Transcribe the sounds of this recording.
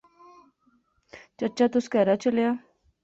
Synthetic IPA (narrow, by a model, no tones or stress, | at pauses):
t͡ʃəʈt͡ʃat̪ʊskɛːɾat͡ʃəljaː